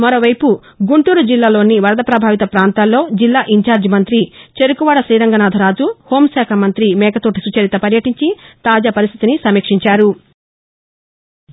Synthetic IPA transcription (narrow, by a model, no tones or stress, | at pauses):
mɐɾo̞ːʋɐjpu | ɡuɳʈuːɾud͡ʒilːaːlo̞ːniʋɐɾɐd̪ɐpɾɐbʱaːʋit̪ɐpɾaːnt̪aːlo̞ːd͡ʒilːaːʔiɲt͡ʃaːɾd͡ʒimɐnt̪ɾit͡ʃeɾukuʋaːɽɐsiːɾɐŋɡɐnaːd̪ʱɐɾaːd͡ʒuho̞ːmsɛːkʰɐmɐnt̪ɾimɛːɡɐt̪oːʈisut͡ʃɐɾit̪ɐpɐɾjɐʈiɲt͡ʃit̪aːd͡ʒaːpɐɾist̪ʰit̪inisɐmiːkʂiɲt͡ʃaːɾu